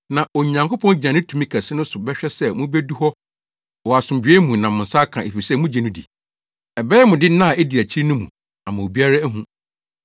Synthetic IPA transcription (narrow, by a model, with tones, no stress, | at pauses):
nã˨ʔo˨ɲã˨ŋko˦pʰɔ̃˦nd͡ʑã˨nɪ̃˦tʰu˨mĩ˦kʰæ˨sɪ˦nʊ̃˦sʊ˨bɛ˦ɕᶣɛ˦sɛ˦˨mũ˦be˦du˦ɦɔ˦ | wɔ˨a˨sʊ̃˨d͡ʑᶣe˦mũ˨nã˨mʊ̃˨n̩˨sa˦kʰã˨e˨fi˨sɛ˦˨mũ˦d͡ʑĩ˨nʊ̃˦dḭ˨ | ɛ˨bɛː˦ɛ˦mʊ̃˨dɪ˦nã˦˨ɛ˦di˨æ˨t͡ɕʰi˦ɾnʊ̃˦mũ˨ | a˨mã˨o˨bi˦a˦ɾa˦æ˦ɦũ˦